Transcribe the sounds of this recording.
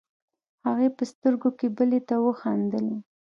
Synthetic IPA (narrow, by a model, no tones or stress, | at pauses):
haɣejpəst̪əɾɡokebəlet̪awəxɑnd̪əle